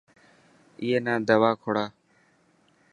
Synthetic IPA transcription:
ijeːnãːd̪əʋaːkʰoɽaː

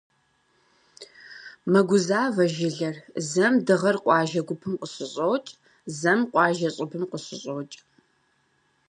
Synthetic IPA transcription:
mɐɡʷʊzaːvɐʒɪɮɐrzɐmdɨʁɐrqʷʼɑːʒɐɡʷʊpʰɨmqəɕɪɕʼowt͡ʃʼ | zɐmqʷʼɑːʒɐɕʼɪpʰɨmqəɕɪɕʼoːt͡ʃʼ

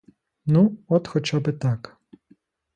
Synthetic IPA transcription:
nuɔt̪xɔt͡ʃabɪt̪ɑk

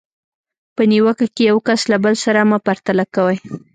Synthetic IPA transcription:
pəniwəkakejawkaslabəlsaɾamapaɾt̪alakawaj

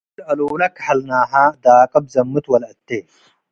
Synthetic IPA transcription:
ɾɐloːlɐkħɐlnaːɦãd̪aːkʼɐb̚zɐmːɨt̪wɐlɐt̪ːe

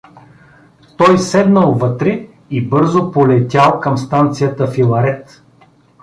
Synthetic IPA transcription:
t̪ɔjsɛd̪nəlˠvɤt̪ɾɛ | ibɤɾzopolɛt̪ʲalˠkɐmst̪ant̪sijət̪əfilˠɐɾɛt̪

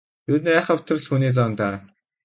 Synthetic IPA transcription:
jut̪næːχə̆ʊ̥t̪ə̆rɮxuːniːt͡sɔːnt̪aː

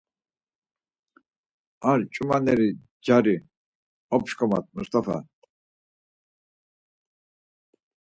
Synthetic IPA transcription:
aɾt͡ʃʼumanɛɾi | d͡ʒaɾi | ɔpʃkʰɔma̰t̪̚ʰmust̪ʰʼafa̰

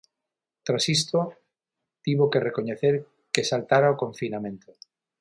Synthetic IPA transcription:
t̪ɾasist̪o | t̪iβokerekoɲeθeɾ | kesalt̪aɾaokoɱfinamẽnt̪o

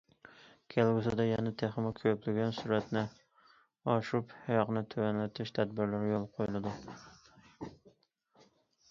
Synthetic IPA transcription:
kʲʰelˠɡʊzad̪ajanat̪ʰeχɪmakʲʰøplɪɡʲansʊɾat̪nɪ | ɒʃʊphajɒqnɪt̪ʰojanlat̪ʰɪʃt̪ʰad̪̚bɪɾlaɾjolˠqʰojɪlad̪ɪ

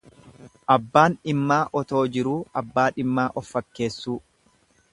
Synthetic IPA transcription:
ʔɐbːaːnɪmːaːʔɔt̪o̞ːd͡ʒɪɾuːɐbːaːᶑɪmːaːʔɔfːɐkːe̞ːsːuː

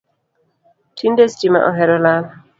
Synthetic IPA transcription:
tʰindɛstima̰ʔɔ̰ɦɛɾɔlala

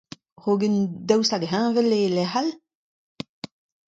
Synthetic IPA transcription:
ʁoːɡənd̪awsaɡɦãːvɛlelɛhal

